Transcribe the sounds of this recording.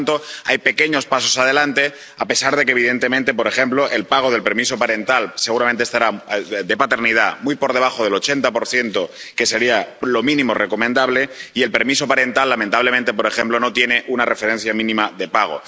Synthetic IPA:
nt̪o̞ajpe̞ke̞ɲo̞spaso̞sað̞e̞lant̪e̞ | ape̞saɾð̞e̞k̬eβ̞iðe̞nt̪e̞mẽnt̪e̞po̞ɾe̞xe̞mplo̞ʔe̞lpaɣ̞o̞ð̞elpeɾmiso̞paɾe̞nt̪alse̞ɣuɾament̪est̪aɾad̪e̞pat̪e̞ɾnið̞amujpo̞ɾð̞e̞β̞axo̞ð̞e̞lo̞t͡ʃe̞nt̪apoɾθje̞nt̪o̞ke̞se̞ɾialo̞mĩnĩmo̞reko̞mẽ̞nd̪aβle̞ie̞lpe̞ɾmiso̞paɾe̞nt̪alːamẽnt̪aβle̞mẽnt̪e̞p̬o̞ɾe̞xẽ̞mplo̞no̞t̪je̞ne̞ʔunare̞feɾẽ̞n̟θjamĩnĩmaðe̞paɣ̞o̞̰

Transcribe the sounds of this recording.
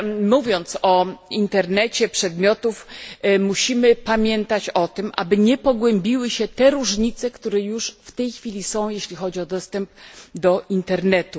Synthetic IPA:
muvʲjɔnt̪sɔint̪ɛɾnɛt͡ɕɛpʂɛd̪mʲjɔt̪ufmuɕimɘpamʲjɛnt̪at͡ɕɔt̪ɘmʔa̰bɘɲɛpɔɡwɛmbʲiwɘɕɛt̪ɛɾuʐɲit̪sɛkt̪uɾɛjuʂft̪ɛjxfʲilʲisɔ̃w̃jeɕlʲixɔd͡ʑiɔd̪ɔst̪ɛmpd̪ɔʔint̪ɛɾnɛt̪u

